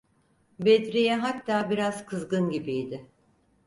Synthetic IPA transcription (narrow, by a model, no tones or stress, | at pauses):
bed̪ɾijɛɦat̪ːaːbiɾaz̥kʰɯzɡɯnɟibijd̪ɪ